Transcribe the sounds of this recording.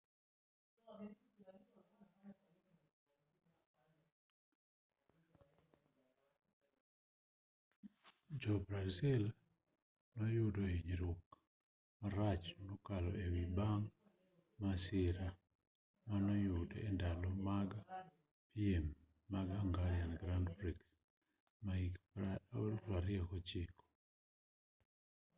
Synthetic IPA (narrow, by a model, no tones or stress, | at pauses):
d͡ʒɔbɾazil | nɔjʊdoiɲɾuk | maɾat͡ʃnɔkalɔʔewibaŋ | masɪɾa | manɔjʊdɛndalɔmaɡa | piemː | aɡaŋɡaɾjanɡɾandbɾiks | maik | ɾaɾɪɛkɔt͡ʃɪkɔ̥